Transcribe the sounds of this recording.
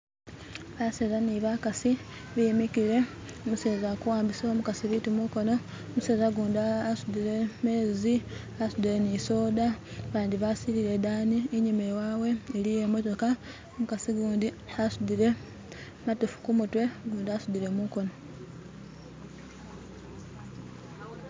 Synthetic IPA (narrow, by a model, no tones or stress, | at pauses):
βasezaniβakasi | βimikile̞ | muse̞ːzakuwaːmbisomukasiβitimuko̞no̞ | museːzaɡuːndaːsud̪iɾe̞me̞ːzi | asud̪iɾeniso̞ːdaβaːnd̪iβasiliɾe̞d̪aːniːɲimewaːwe̞ːlije̞mo̞to̞ka | mukasiɡuːnd̪i | asudiɾe̞ | matifu̥kumutwe̞ɡuːndasud̪iɾe̞muko̞no̞